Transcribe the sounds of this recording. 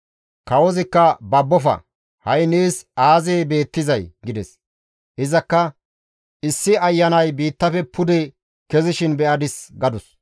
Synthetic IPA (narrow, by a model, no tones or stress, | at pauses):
kɐwɔzɪkːɐbɐbːɔfɐ̰ | hɐjneːsaːzeːbe̞ːt̪ːɪzɐjɡɪd̪ɛ̰s | ɪzɐkːɐ | ɪsːɪɐjːɐnɐjbiːt̪ːɐfɛpʰʊd̪ɛ | kɛzɪʃɪnbɛɐd̪ɪsɡɐd̪ʊs